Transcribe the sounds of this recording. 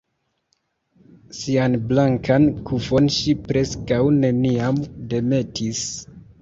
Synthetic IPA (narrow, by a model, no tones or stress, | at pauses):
sianblaŋkʰankʰufo̞nʃipɾe̞skawne̞niamde̞me̞tʰis